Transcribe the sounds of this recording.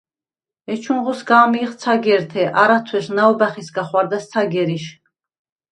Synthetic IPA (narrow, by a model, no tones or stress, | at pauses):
ɛt͡ʃʰuɴʁɔsɡaːmiːχt̪sʰaɡɛɾt̪ʰɛʔaɾat̪ʰwɛʃnaɔbaχisɡaχwaɾd̪ast̪sʰaɡɛɾiʃ